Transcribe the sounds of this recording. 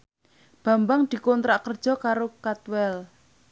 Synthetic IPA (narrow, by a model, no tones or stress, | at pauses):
b̥ä̤mbaŋd̪̥i̤kɔnt̪ɾaʔkərd̥ʒ̥ɔ̤kaɾokat̪wɛl